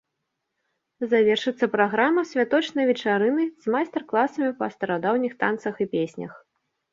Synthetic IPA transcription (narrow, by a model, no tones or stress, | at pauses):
zavʲɛrʂɨt̪sːɐpɾaɣɾamɐsʲvʲat̪ɔt͡ʂnɐjvʲɛt͡ʂaɾɨnɨz̥ʲmajst̪ɛrklˠasɐmʲipɐst̪ɐɾad̪awnʲixt̪ant̪sɐxipʲesʲnʲɐ̰x